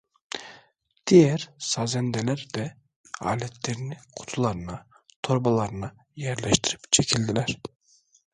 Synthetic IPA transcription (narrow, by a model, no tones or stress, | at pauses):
d̪̥ijɛɾsɑzɛnd̪ɛlæɾd̪ɛ | a̰ːlʲɛt̪ʰleɾiniqʰu̥t̪ʰulˠɑɾɯnɑ | t̪ʰo̞ɾbalˠɑɾɯnɑ | jæɾlɛʃt̪ʰiɾipt͡ʃʰecʲʰilʲd̪ilæɾ̥